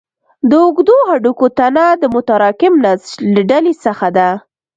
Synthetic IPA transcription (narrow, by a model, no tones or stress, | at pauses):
d̪əʊɡd̪ohaɖukot̪anad̪əmʊt̪aɾɑkɪmnazləɖalesəxad̪a